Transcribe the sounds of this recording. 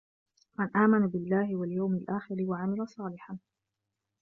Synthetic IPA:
manʔaːmanabɪlːaːhɪwaljawmɪlʔaːxɪɾɪwaʕamɪlasˤɑːlɪħan

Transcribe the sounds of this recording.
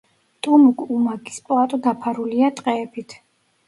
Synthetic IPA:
t̪ʼumukʼumaɡʰʼi̥spʼat̪ʼɔd̪apʰaɾuliat̪ʼqʼɛːpʰit̪ʰ

